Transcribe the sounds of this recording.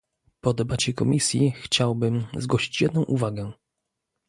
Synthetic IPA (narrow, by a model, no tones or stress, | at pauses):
pɔd̪ɛbat͡ɕɛkɔmʲisʲjixt͡ɕawbɘmzɡwɔɕi̥t͡ɕjɛd̪nɔ̃w̃ʔuvaɡɛ